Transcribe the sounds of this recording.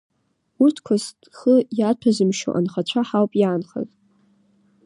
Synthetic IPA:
utʰkʷʰastʼχəjat͡ɕʷʰazɨmʃo̰ʔa̰nχat͡ɕʷʰaħawpʼjaːnχa̰tʼ

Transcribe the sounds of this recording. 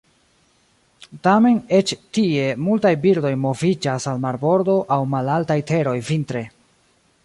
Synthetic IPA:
tame̞ne̞t͡ʃtie̞multajbiɾdo̞jmo̞vid͡ʒasalmaɾbo̞ɾdo̞ʔawmalaltajte̞ɾo̞jvintɾe̞

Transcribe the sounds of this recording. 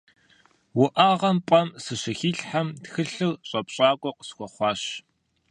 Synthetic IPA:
wʊʔaːʁɐmpʷʼɐmsɨɕɪxiɬħamtxɨɬɨrɕʼɐpɕʼaːkʷʼɔqə̥sxʷɔχʷɑːɕ

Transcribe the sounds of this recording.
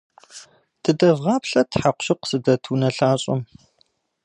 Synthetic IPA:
d̥ʰɨdɐvʁɑːpɬɐtħaqʷɕɪqsɨdɐtʰuːnɐɬaːɕʼɪ̰m

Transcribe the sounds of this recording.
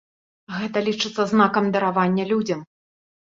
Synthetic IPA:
ɣɛt̪ɐlʲit͡ʂɨt̪sːɐznakɐmd̪ɐɾavanʲːɐlʲud͡zʲɐm

